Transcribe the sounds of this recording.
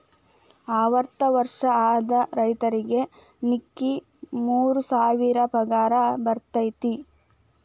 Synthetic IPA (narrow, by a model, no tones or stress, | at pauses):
aːʋɐɾt̪ɐʋɐɾʂɐaːd̪ɐɾɐjt̪ɐɾiɡe̞ | mikːi | muːɾusaːʋiɾɐpɐɡaːɾɐbɐɾt̪ɐjt̪i